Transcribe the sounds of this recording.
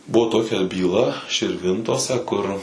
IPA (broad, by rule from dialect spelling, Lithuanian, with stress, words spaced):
ˈbʊʋoː ˈtoːkʲɛ bʲiːˈlˠɐ ʃʲɪrʲˈʋʲɪntoːsʲɛ kʊr